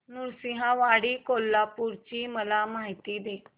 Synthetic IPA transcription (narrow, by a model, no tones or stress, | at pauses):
nuɾsiɦãʋaɽiːkolːapuɾt͡ɕiːməlamaɦit̪iːd̪e